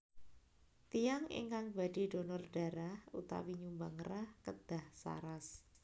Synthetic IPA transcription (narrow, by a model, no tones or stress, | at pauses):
t̪ijaŋḭŋkaŋb̥ad̥i̤d̥o̤nɔrɖ̥aɾahṵt̪a̰wiɲumbaŋɾahkəd̪̥ahsa̰ɾas